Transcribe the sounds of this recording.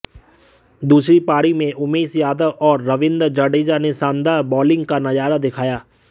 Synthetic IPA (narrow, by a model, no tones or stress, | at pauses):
d̪uːsɾipaːɽimẽʔʊmeːsjaːd̪əʋɔːɾːɐʋɪ̃nd̪ɾd͡ʒəɖeːd͡ʒanesãːnd̪abɔːlɪ̃ŋɡkanɐjaːɾad̪ɪkʰaːjaː